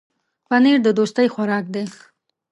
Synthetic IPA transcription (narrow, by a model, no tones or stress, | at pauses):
paniɾd̪əd̪ost̪əjxwaɾɑk̚d̪e